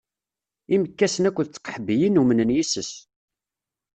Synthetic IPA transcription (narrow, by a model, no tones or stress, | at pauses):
iməkːæsənækʷːəðt͡sːə̥qħəbːijinumənənjisəs